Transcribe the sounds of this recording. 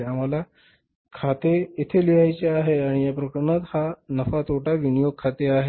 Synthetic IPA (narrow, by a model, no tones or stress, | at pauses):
am̤ala | kʰat̪eit̪ʰeliɦajt͡ɕeaɦeaɽ̃ijapɾəkɾɳət̪hanəfat̪ʰoʈaʋinijoɡ̚kʰːat̪eaɦe